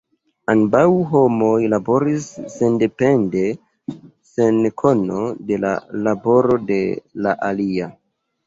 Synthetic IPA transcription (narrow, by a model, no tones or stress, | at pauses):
anbawɦo̞mojlabo̞ɾisːende̞pe̞nde̞ | senkʰono̞de̞la̰labo̞ɾo̞de̞laʔalia